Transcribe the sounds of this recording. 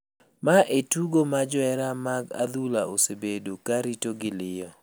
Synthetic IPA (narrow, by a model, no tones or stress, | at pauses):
maʔetuɡomad͡ʒwɛɾamaɡa̰d̪ulaʔosebedokaɾitoɡɪlɪjɔ